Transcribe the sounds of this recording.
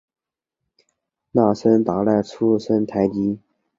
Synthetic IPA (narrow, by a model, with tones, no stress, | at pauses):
na˥˩ʂə˥nt̪a˨˩la˥˩ɪʈ͡ʂʰu˥ʂə˥nt̪ʰa˧˥ɪt̪i˥